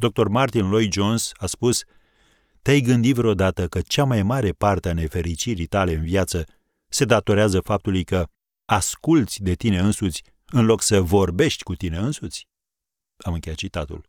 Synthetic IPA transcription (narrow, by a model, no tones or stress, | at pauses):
d̪o̞k̚t̪o̞rmart̪inlo̞jd͡ʒo̞nsaspus | t̪eajɡɨnd̪it̪vɾeo̞d̪at̪əkət͡ʃamajmaɾe̞part̪eane̞fe̞ɾit͡ʃiɾit̪ale̞ɨnvjat̪sə | se̞d̪at̪o̞ɾeazəfap̚t̪ulujkə | askult̪sʲd̪e̞t̪ine̞ɨnsut̪sʲ | ɨnlo̞ksəvo̞rbe̞ʃt̪ʲkut̪ine̞ɨnsut̪sʲ | amɨŋkʲejat̪̚t͡ʃit̪at̪ṵl